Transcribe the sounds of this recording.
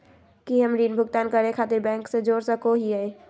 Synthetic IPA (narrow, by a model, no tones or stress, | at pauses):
kiɦɐmɾiːnbʱʊɡt̪aːnkəɾẽkʰaːt̪ɪɾbɛ̃ːŋksed͡ʒoːɾsəkoɦiaẽː